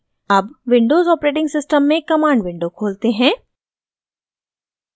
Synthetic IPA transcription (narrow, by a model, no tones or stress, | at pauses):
ɐbʋɪ̃ɳɖoːzɔːpɾeːʈɪ̃ŋɡsɪsʈəmːẽkɐmaːɳɖʋɪ̃ɳɖokʰoːlt̪eɦɛ̃ː